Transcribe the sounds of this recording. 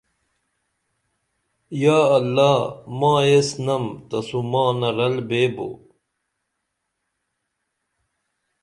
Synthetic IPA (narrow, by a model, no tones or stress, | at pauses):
jaːɐlːaːmãːjesnɐmt̪ɐsumãːnɐɾɐlbeːbo̰ː